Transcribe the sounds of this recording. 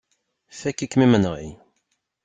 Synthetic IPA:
θækːikːmimənʁḭ

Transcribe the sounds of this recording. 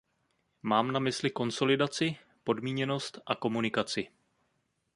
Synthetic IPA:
maːmnamɪslɪko̞nso̞lɪdat͡sɪ | po̞dmiːɲɛno̞st̪ʔako̞munɪkat͡sɪ

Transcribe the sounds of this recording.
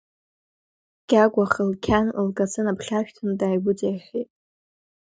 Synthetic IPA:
ɡ̥ʲaɡʷaχəlkʲʰanlɡʼat͡sʰɨnapʰχʲaʃᶣtʰɨndaːjbʊt͡sajχʲitʼ

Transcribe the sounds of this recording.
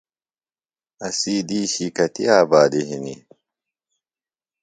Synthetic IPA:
ɐsiːd̪iːɕikɐt̪ḭaːbaːd̪iɦinḭ

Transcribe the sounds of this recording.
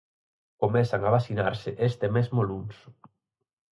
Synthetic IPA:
komɛθaŋaβasinaɾsɪʔest̪emezmoluns

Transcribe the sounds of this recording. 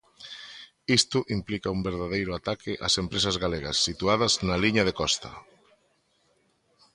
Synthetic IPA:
ist̪ʊʔimplikɐumbeɾðaðejɾʊat̪akʰɪʔa̰sempɾesɐzɣaleɣɐ̰sːit̪uaðɐznɐliɲɐð̞ekɔst̪ɐ̰

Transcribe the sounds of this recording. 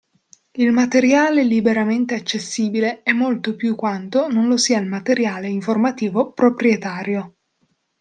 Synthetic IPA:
ilmat̪eɾjaːlelibeɾament̪eat͡ʃːesːiːbileɛmːolt̪opjukːwant̪ononlosiːailmat̪eɾjaːleiɱformat̪iːvopɾopɾjet̪aːɾjo

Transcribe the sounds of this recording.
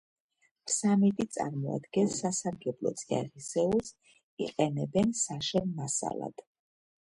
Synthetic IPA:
msamit̪ʼit̪sʼa̰ɾmɔa̰d̪ɡɛnsasaɾɡɛblˠɔ̰t̪sʼia̰ʁisɛuls | iqʼɛnɛbɛnsaʃɛnmasa̰lˠa̰d̪̥

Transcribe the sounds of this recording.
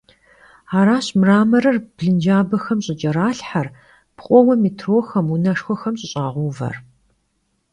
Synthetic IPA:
aːɾaːɕmraːmɐɾɐrb̥ɮɨnd͡ʒaːbɐxɐmɕʼɪt͡ʃʼɐɾaːɬħar | pʰqʷʼɔwɐmiːtʰroːxɐmunɐʂxʷɔxɐmɕʼɪɕʼaːʁʷuːvɐ̰r

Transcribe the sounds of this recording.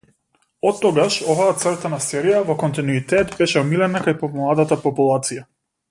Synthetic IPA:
ɔt̪ːɔɡaʃɔvaːt̪sr̩t̪anasɛɾijavɔkɔnt̪inuit̪ɛt̪bɛʃɛɔmilɛnakajpɔmlˠad̪at̪apɔpulˠat̪sija

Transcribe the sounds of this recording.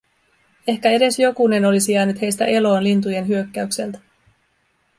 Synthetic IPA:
e̞hkæe̞ɾe̞sjo̞kune̞no̞lisijæːnyt̪he̞jst̪æ̰ʔe̞lo̞ːnlint̪uje̞nɦyøkːæykse̞lt̪æ̥

